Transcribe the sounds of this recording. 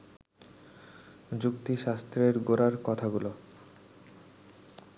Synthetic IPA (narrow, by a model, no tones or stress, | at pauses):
d͡ʑukt̪iʃast̪ɾeɾɡoɾaɾkɔt̪ʰaɡulo